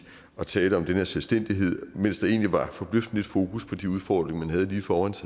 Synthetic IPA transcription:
ɒ̽t͡sʰɛːldəɒ̽md̥eneɐselsd̥en̰d̥iɦe̝ð̞̰ˠmen̰sd̥ɑe̝̰ːnliʋɑ̈fɒ̽b̥løfd̥n̩e̝d̥fo̝ːkʰuspʰɒ̽d̥iuð̞ˠfɒ̰ːd̥ʁeŋɐmænɦæð̞ˠəliːfɒːænsʰæ

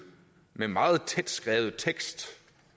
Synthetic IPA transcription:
memɑ̈ːð̞̩ˠt͡sʰed̥sɡ̥ʁɛːʊð̩ˠt͡sʰeɡ̥sd̥

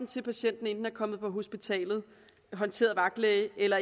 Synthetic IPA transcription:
n̩t͡sʰe̝lpʰæɕen̰d̥n̩end̥n̩æɐkʰɒ̽mð̞̩ˠpʰɒ̽ɦo̝sb̥it͡sʰɛ̰ːlð̞̩ˠ | ɦɒ̽nt͡sʰe̝̰ːɐðˠʋɑ̈ɡ̥leɪʔelɐ

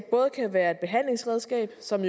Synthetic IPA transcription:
b̥ɔ̽ːð̞̩ˠkʰæʋæːɐe̝d̥̚b̥e̝ɦæn̰le̝ŋsʁɛðˠsɡ̥ɛ̰ːb̥sɒ̽mj

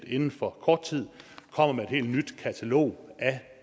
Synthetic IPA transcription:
d̥e̝nn̩fɒ̽kʰɒːd̥̚t͡sʰið̰ˠkʰɒ̽m̰ɐmeed̥he̝̰ːld̥nyd̥kʰæt͡sʰælo̝̰ːʔæ

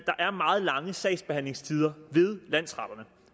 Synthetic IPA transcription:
d̥ɑ̈ʔæɐmɑ̈ːð̩ˠlɑ̈ŋəsɛɪsb̥e̝hæn̰le̝ŋst͡sʰiːð̞ˠɐʋe̝ð̞ˠlæn̰sʁɑ̈d̥ɐnə

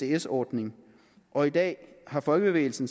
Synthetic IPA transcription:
e̝esɒːd̥ne̝ŋ | ʔɒ̽id̥ɛ̰ːhɑ̈fɒ̽lɡ̥əb̥e̝ʋḛɪl̩sn̩

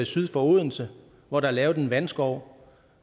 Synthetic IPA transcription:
isyð̞ˠfɒ̽o̝ðˠnl̩sə | ʋɒɾ̥ɑ̈lɛːʊd̥enʋænsɡ̥ɒʊ̰

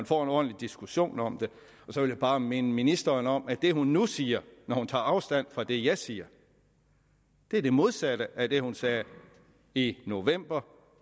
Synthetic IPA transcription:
ænfɒ̰ːe̝nɒːd̥n̩lid̥isɡ̥uɕo̝̰ːnɒ̽md̥e̝ | ɒ̽sɒ̽ʋe̝ljæb̥ɑ̈ːme̝nəminisd̥ɐːnɒ̽mæd̥e̝hunːusiːɐnɒhunt͡sʰɑ̈ːɑ̈ʊsd̥æn̰fʁɑd̥e̝jɑ̈ɪsiːɐ | d̥e̝ɐd̥e̝mo̝ð̞ˠsæɾ̥əʔæd̥e̝hunsɛː | ino̝ʋem̰b̥ɐ

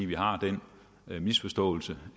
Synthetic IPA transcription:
ʋiɦɑ̈d̥en̰ | misfɒ̽sd̥ɔ̰̽ːl̩sə

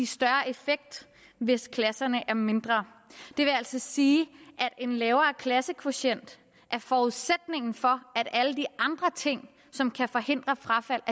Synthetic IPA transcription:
isd̥ɶɐʔe̝feɡ̥̚d̥ | ʋe̝skʰlæsɐnəʔæɐme̝nd̥ʁɐ | d̥e̝ʋe̝æl̰sɒ̽siːʔæd̥e̝nlɛːʊɐːkʰlæsəkʰʋoɕen̰d̥ | ʔæɐfɒuðˠsed̥ne̝ŋ̰n̩fɒ̽æɾ̥æləd̥iʔɑ̈nd̥ʁɐt͡sʰe̝ŋ̰ | sɒ̽mkʰæfɒ̽he̝n̰d̥ʁɐfʁɑ̈fæl̰

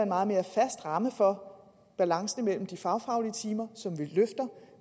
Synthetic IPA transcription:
enmɑ̈ːð̩ˠme̝ːɐfæsd̥ʁɑ̈məfɒ̽ | b̥ælɑ̈ŋsn̩mel̰m̩d̥ifɑ̈ʊfɑ̈ʊliət͡sʰiːmɐsɒ̽mʋiløfd̥ɐ

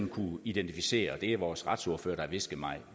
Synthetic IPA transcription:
n̩kʰuid̥ent͡sʰifise̝̰ːɐɒd̥e̝æɐʋɒːsʁɑ̈d̥so̝ɐfø̰ːɐɾ̥ɑ̈æʋe̝sɡ̥ð̩ˠmɑ̈ɪ

